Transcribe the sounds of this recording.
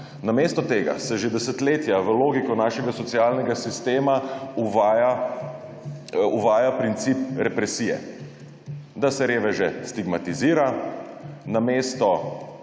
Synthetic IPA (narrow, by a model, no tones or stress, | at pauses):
nameːst̪ɔt̪eːɡa̰sɛʒed̪ɛsət̪leːt̪jaʋəloːɡikɔnaːʃɛɡasɔtsijaːlnɛɡasist̪eːmauʋaja | uʋaːjapɾint̪siːpɾɛpɾɛsijɛ̰ | d̪asɛɾeːʋɛʒɛst̪iɡmat̪iziːɾa | nameːst̪ɔ